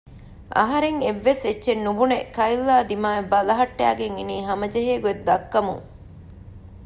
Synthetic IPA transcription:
ʔɐ̰ɦɐɾeŋeʋːesetːʃenːubunekɐilːaːd̪imaːebɐlɐɦɐʈːæ̰ːɡeŋiniːɦɐmɐd͡ʒeɦeːɡued̪ːɐkːɐmṵŋ

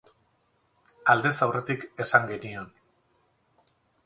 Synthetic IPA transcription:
ald̪e̞sawre̞t̪ike̞saŋɡe̞nio̞n

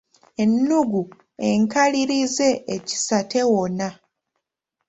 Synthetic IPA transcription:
e̞nːuɡu | e̞ŋkaliɾize̞ːci̥sate̞wona

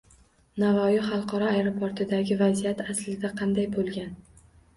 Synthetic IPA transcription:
navɒjɒχɑlˠqʰɒɾɒajɾopʰoɾt̪ʰɪd̪aɡʲɪvazijat̪ʰaslɪd̪aqʰɑnd̪ajbolˠɡʲan

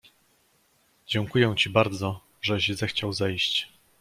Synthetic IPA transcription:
d͡ʑɛŋkujɛw̃t͡ɕibaɾd̪zɔ | ʐɛɕzɛxt͡ɕawzɛjɕt͡ɕ

